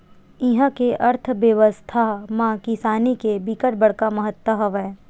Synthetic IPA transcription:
ɪɦãkeʔɐɾt̪ʰbjəʋəst̪ʰamãkɪsaːnikebikəʈ̚bɐɽkamɐɦət̪wəɦɐʋɛː

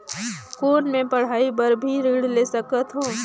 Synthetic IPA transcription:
koːnmẽpɐɽ̤aːipəɾbʱiɾiːɽleːsəkət̪ɦõː

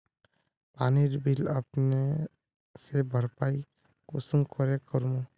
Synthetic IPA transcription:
paːniɾbʱiləpne | sebʱəɾpaːi | kʊsəmkɔɾekəɾmu

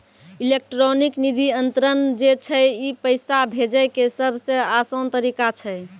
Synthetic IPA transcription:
ilek̚ʈɾoniknid̪ʱiənt̪ɾənd͡ʒet͡ʃʰəipəɪsabʱed͡ʒəjkesəbʱsə̃asənt̪əɾikat͡ʃʰəj

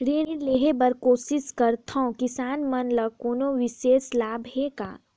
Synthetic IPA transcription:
ɾeːileːɦebəɾkoːsɪskəɾt̪ʰõkɪsaːnmɐnləɡkoːnoʋɪʃeːslaːbʱɦeka̰ː

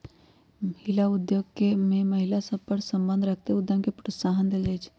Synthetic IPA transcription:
məɦilaʊd̪joɡkemẽməɦilasəb̚pəɾsəmbənd̪ʱɾək̚ʰt̪eud̪joɡkepɾəsaɦənd̪eld͡ʒajt͡ʃʰ

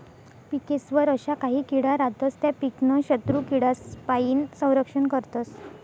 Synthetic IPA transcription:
pikesʋəɾəɕakaɦiːkiɽaɾat̪əst̪japiknəɕət̪ɾukiɽaspaiːnsə̃w̃ɾəkʂəɳkəɾt̪əs

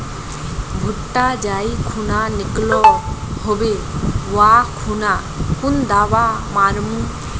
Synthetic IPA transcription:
bʱʊʈːaːd͡ʒaːikʰunaːnɪklɔ | hobeːʋaːkʰunaː | kʊnd̪aːʋaːmaːɾmũː

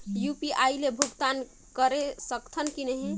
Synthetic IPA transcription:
jupiʔailebʱuɡt̪an | kəɾesəkt̪ʰənkinɛɦĩ

